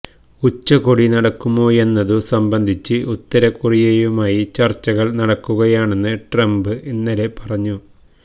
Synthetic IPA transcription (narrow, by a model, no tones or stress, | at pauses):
ut͡ɕːɐkoɽinɐɽɐkːumo̞ːe̞nːɐðusɐmbɐnd̪ʱit͡ɕːɨʔut̪ːɐɾɐkurijɐjumaːjit͡ɕɐrt͡ɕːɐɣɐɭnɐɽɐkːuɣɐjaːɳe̞nːɨʈrɐmbɨʔinːɐle̞pɐrɐɲːu